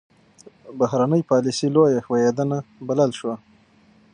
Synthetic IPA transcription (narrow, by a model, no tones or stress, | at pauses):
bahɾanəjpɑlisilojaxwajed̪anabalalʃwa